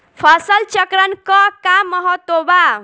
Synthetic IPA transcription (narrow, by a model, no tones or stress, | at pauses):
pʰʌsəlt͡ʃəkɾənkɔkamːʌɦɔt̪ːoba